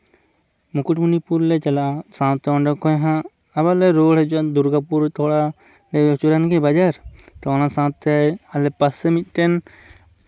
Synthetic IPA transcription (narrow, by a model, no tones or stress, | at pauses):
mukuʈmunipuɾlɛt͡ʃalasãt̪ːɛɔɳɖɔkɔjɦãː | balɛɾoɽɛt͡ʃuad̪uɾɡapuɾt̪ʰɔɽa | lɛjɛt͡ʃuɾanɡɛbad͡ʒaɾt̪ɔɔnãsãwt̪ʰːɛalɛpasɛmit̪̚ˀʈɛn